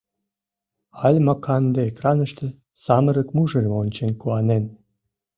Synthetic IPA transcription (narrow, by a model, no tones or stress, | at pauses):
ɑlʲmɑkʰɑnd̪eekrɑnə̆ʃt̪ĕ | sɑməɾə̆kmuʒĕlʲmont͡ɕenʲkuɑnen